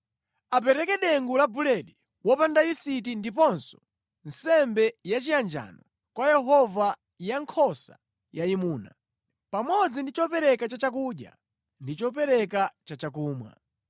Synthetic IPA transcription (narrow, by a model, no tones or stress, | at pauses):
ap̬ɛɾɛkɛɗɛŋɡulabulɛɗi | wɔpandaisitindipɔnsɔ̥ | n̩sɛmbɛjat͡ʃijand͡ʒa̰nɔ | kwajɛɦɔva | jaŋkʰɔsa̰ | jaimuːna̰ | pamɔd͡zindit͡ʃɔpɛɾɛkat͡ʃat͡ʃak̬uɗja̰ | ndit͡ʃɔpɛɾɛkat͡ʃat͡ʃak̬uːmwa̰